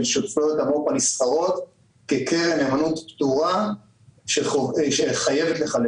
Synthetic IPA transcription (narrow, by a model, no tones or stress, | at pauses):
lʃoffot̪amopanistaʁo̞t̪ | kekeʁenemanut̪pt̪uʁa | ʃeoʃeχajevet̪leχal